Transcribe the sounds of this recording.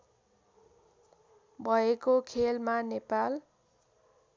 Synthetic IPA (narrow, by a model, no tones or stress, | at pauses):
bʱʌekokʰelmanepal